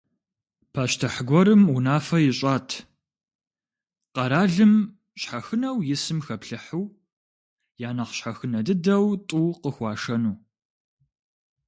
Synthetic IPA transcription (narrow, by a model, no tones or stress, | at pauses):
pʰaːʃtʰɨħɡʷɔɾɨmunaːfɐjɪɕʼaːtʰ | qɐɾaːɮɨm | ɕħaxɨnɐwjɪsɨmxɐpɬɨħuw | jaːnɐqɕħaxɨnɐdɨdɐwtʼuːqəxʷɑːʂɐnuː